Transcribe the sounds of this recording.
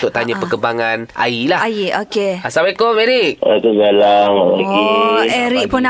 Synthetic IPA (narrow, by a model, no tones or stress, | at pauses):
t̪ʊʔ̚t̪aɲãpəkəbaŋana̰ilahaiʔokeasawekomɛɾik̚it̪uɡalaŋalaɡiɛɾik̚pʊn